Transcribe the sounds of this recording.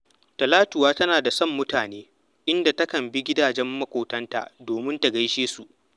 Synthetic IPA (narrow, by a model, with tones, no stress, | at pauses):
tɐ˨laː˦tʊ˨waː˦tɐ˦naː˨da˨sɐ˦˨mːʊ˦taː˨neː˦ | ʔɪ˦nda˨tɐ˦kɐ˨mbi˦ɡʲɪ˦daː˨d͡ʒɛ˦mːɐ˦kʷoː˨tɐ˦nta̰˨ʔdoː˨mɪ˦nta˨ɡa˦jʃeː˦su˨ʔ